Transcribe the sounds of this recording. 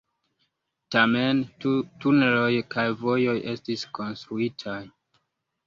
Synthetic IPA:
tame̞ntunelo̞jkajvo̞jo̞jʔe̞stisko̞nstɾuitʰaj

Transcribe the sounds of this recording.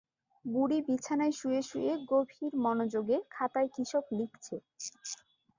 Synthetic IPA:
buɽibit͡ɕʰanaeʃueʃueɡobʱiɾmɔnod͡ʑoɡekʰat̪aekɾiʃoklikt͡ɕʰe

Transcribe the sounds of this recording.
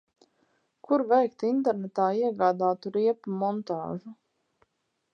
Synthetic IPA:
kuɾvɛjkt̪int̪ɛɾnɛt̪aːiɛɡaːd̪aːt̪uɾiɛpumɔnt̪a̰ːʒu

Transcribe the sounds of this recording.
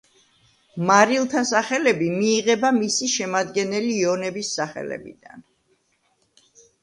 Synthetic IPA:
maɾilˠt̪ʰasaχɛlɛbimiːʁɛbamisiʃɛmad̪ɡɛnɛliːɔnɛbisːaχɛ̰lɛ̰bḭd̪a̰n

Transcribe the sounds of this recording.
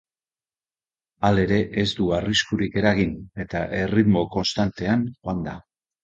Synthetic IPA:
ale̞ɾe̞ʔezd̪uariskuɾike̞ɾaɣ̞ine̞t̪aʔe̞rit̪mo̞ko̞nst̪ant̪e̞anxoand̪a

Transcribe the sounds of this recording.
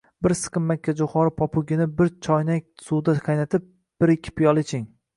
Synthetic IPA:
bɪɾsɨ̥qɨmːakʲʰːad͡ʒʊχɒɾɪpʰɒpʰʊɡʲɪnɪbɪɾt͡ʃʰɒjnak̚ʲsud̪aqʰɑjnat̪ʰɪp̚ | b̥ɪɾɪkʲʰːɪ̥pʰijɒlˠɪt͡ʃʰɪŋ

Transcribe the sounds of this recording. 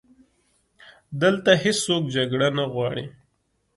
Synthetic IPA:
d̪əlt̪ahɪsːokd͡ʒaɡɽanaɣwɑɽḭ

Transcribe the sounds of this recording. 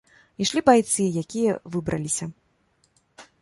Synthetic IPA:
iʂlʲibajt̪sɨjakʲijɐvɨbɾɐlʲisʲɐ

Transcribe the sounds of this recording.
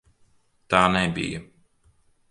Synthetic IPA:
t̪aːnɛbḭjɐ

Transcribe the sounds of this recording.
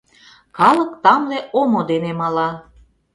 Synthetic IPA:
kɑlə̆kt̪ɑmleʔomod̪enemɑlɑ

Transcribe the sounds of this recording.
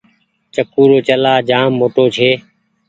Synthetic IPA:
t͡ʃəkːuːɾoːt͡ʃəlaːd͡ʒaːmːoːʈoːt͡ʃʰeː

